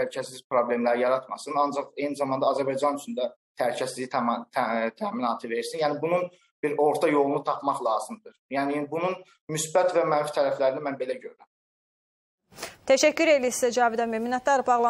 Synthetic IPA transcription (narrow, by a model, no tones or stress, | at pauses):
æɾicʰæsiz̥pɾo̞ble̞mlæɾijɑɾɑt̪mɑsɯnɑnd͡ʒɑχe̞jnizɑmɑnd̪ɑːzæɾbɑjd͡ʒɑnyt͡ʃʰynd̪æt̪ʰæɾicʰæsizizit̪ʰt̪ʰæːminɑːt̪ʰɯve̞ɾiɾsinjæːnibunun | b̥iɾo̞ɾt̪ʰɑjo̞lˠunut̪ʰɑpmɑχlˠɑːzɯmd̪ɯɾjæːnibunun | mysbæt̪væmænfi̥t̪ʰæɾæflæɾinimænbe̞læɟøɾyɾæm | t̪ʰæʃæcːyɾe̞lisisæd͡ʒɑːvid̪æmeminɑt̪ːɑɾbɑɣlˠɑ